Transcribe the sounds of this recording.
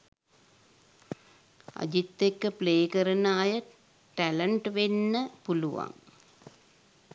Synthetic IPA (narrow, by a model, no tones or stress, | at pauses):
ɐ̰d͡ʒit̪ːekːəpleːkɐɾɐnaːjɐ | ʈælɐɳʈʋenːəpuluʋa̰ŋ